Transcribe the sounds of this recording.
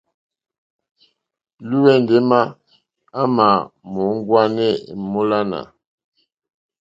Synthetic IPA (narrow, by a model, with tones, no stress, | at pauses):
lu˦wɛ˦˨nde˦ma˦ | a˦ma˨mo˨˦ŋ˦ɡwa˦nɛ˦˨mo˦la˦na̰˨